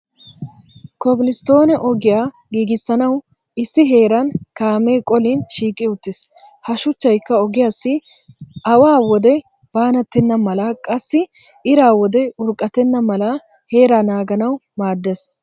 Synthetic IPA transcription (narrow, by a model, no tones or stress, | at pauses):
kɔbɪlɪst̪o̞ːnɛʔɔɡɪjaː | ɡiːɡɪsːɐnɐw | ɪsːɪɦe̞ːɾɐnkaːme̞ːkʼɔlɪnʃiːkʼːɪʊt̪ːɪs | hɐʃʊt͡ʃːɐjkːɐɔɡɪjaːsːɪ | ʔɐwaːwɔd̪ɛ | b̥aːnɐt̪ːɛnːɐmɐlakʼɐsːɪ | ɪɾaːwɔd̪ɛʊɾkʼːɐt̪ːɛnːɐmɐlɐ | he̞ːɾanaːɡɐnɐwmaːd̪ːes